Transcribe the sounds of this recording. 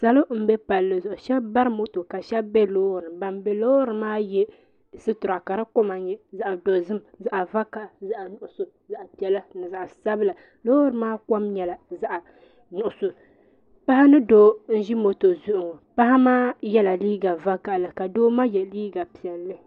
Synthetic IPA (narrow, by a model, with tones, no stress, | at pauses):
sa˨lo˦m̩˦bɛ˦pa˨lːɨ˨zʊ˨ʔʊ˨ʃɛ˦ba˦ɾɨ˦mo˦to˨ka˨ʃɛ˦bbɛ˦loː˦˨nɨ˨ba˨mbɛ˦lo˦ɾɨ˨maː˦jɛ˦ | sɨ˦tʊ˨ɾa˨ka˨ɾɨ˦ko˦ma˨ɲɛ˦za˦ʔa˨do˨zɨ˦mza˦ʔa˨va˦ka˦ʔza˦ʔa˨nʊ˦ʔʊ˨so˨ | za˨ʔpi˨˦ɛ˨la˦nɨ˨za˨ʔsa˦bɨ˦la˨ | lo˦ɾɨ˨maː˦ko˦mɲɛ˨la˨za˦ʔa˨ | nʊ˨ʔʊ˨so˨ | pa˦ha˦nɨ˦doː˦n̩˦ʒi˦mo˨to˨zʊ˦ʔʊ˨ŋɔ˨pa˦ha˦maː˦jɛ˦la˨liː˦ɡa˨va˦ka˦ʔla˨ka˨doː˦ma˦jɛ˨liː˦ɡa˨pi˨ɛ˨lːɨ˦